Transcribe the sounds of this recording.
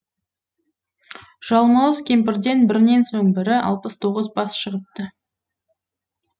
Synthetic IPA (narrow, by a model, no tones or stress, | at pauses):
ʒ̥ɑlˠmɑlˠəzkʲʰe̞mpɪɾd̪e̞nbɪɾne̞nsoɴbɪɾɪʔɑ̰lˠpəst̪ʰo̞ʁəzbɑsʃəʁəp̚t̪ə